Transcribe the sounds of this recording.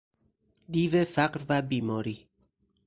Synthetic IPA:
d̪ivefakɾvabimoɾi

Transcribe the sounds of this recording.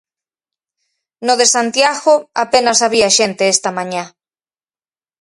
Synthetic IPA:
noðesant̪jaɣoapenasaβiaʃent̪eest̪amãɲã

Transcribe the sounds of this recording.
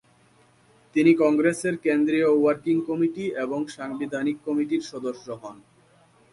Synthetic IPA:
t̪inikɔŋɡɾeseɾkend̪ɾiowaɾkiŋkɔmiʈieboŋʃaŋbid̪ʱanikːɔmiʈiɾʃɔd̪oʃːoɦɔn

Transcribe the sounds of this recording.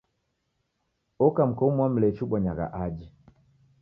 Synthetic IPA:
ɔkam̩kɔumwam̩lɛt͡ʃuɓaɲaɣa̰ʔad͡ʒi

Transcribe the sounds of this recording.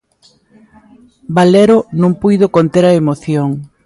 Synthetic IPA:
baleɾonũŋpujðokont̪eɾɐemoθjoŋ

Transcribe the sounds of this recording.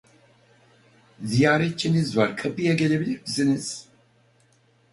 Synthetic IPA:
zijaːɾɛt̪̚t͡ʃʰenizvaɾkʰapijaɡelʲebilʲiɾbiziniz̥

